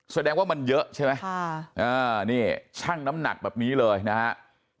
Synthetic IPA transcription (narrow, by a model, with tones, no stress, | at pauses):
sa˨˧˩dɛː˧ŋwaː˥˩ma˧njɤ˦˥ʔt͡ɕʰa˥˩ma˦˥jʔaː˧˩niː˧˥˩t͡ɕʰa˥˩ŋna˦˥mna̰˨˩k̚bɛː˨˩p̚niː˦˥lɤː˧jna˦˥kha˦˥ʔ